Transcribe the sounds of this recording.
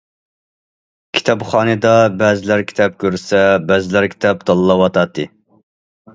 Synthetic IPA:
kʲʰi̥t̪ʰɑpχɑːnɨd̪ɑbæːzɪlæɾkʲʰi̥t̪ʰɛp̚kʲʰøɾsɛbæːzɪlæɾkʲʰi̥t̪ʰɛp̚d̪ɑlˠlːˠɑwɑt̪ʰɑt̪ʰːɨ

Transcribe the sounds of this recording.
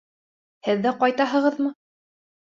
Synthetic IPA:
hɘðːæqɑjt̪ɑɦɤ̆ʁɤðmɤ

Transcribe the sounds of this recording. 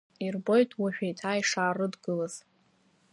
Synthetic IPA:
irbo̞jtʰʼwaʃᶣejtʰaːjʂaːrɨdɡɨlaz̥

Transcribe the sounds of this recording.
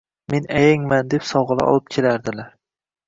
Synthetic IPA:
menajaŋmand̪epsɒwʁɨlˠa̰ʔɒ̰lˠɪp̚kʲʰe̞laɾd̪ɪlaɾ

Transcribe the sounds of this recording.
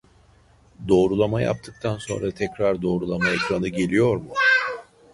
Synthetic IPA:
d̪o̞ːɾulˠamaja̰p̚t̪ʰɯk̚t̪ʰanso̞̰nɾat̪ʰɛcɾaɾd̪o̞ːɾulˠamaekɾanɯɟe̞lʲijo̞ɾmʊ

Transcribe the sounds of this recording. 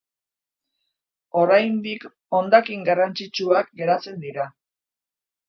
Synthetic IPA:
o̞ɾajnd̪ik | o̞nd̪akiŋɡarant͡sit͡ʃuak̚ɡe̞ɾat͡se̞nd̪iɾa

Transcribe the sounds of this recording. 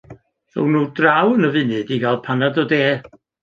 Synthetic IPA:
rɔ̰wnuːdrawənəvɨnɨdiɡalˠpʰanadɔdeː

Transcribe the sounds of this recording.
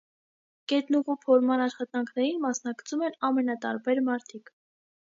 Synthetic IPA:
kɛt̪nuʁupʰɔɾmɑnɑʃχɑt̪ɑŋkʰnɛɾinmɑsn̪ɑkt͡sʰumɛnɑmɛnɑt̪ɑ̰ɾbɛɾmɑɾt̪ʰik

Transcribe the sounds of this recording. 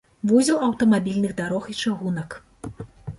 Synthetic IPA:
vuzʲɐwɐwt̪ɐmabʲilʲnɨɣd̪aɾɔxit͡ʂaɣunɐk

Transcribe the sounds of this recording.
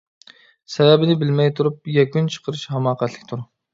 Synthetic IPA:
sɛvɛbɪnɪbɪlmɛjt̪ʰuɾup̚jɛkʲynt͡ʃʰə̥qʰəɾɨʃhɛmɑːqæt̪lˠɪkʲt̪ʰuɾ

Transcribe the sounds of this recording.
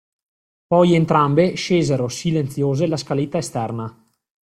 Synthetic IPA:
pɔjent̪ɾambeʃeːzeɾosilent̪sjoːzelaskalet̪ːaest̪ɛrna

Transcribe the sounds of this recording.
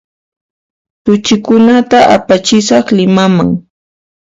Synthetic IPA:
t̪ʊt͡ʃɪkʊnat̪aʔa̰pat͡ʃɪsɑχlɪmama̰ŋ

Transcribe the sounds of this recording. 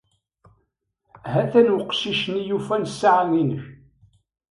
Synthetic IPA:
ɦæθænwəqʃiʃnijufænsːaʕaninəç

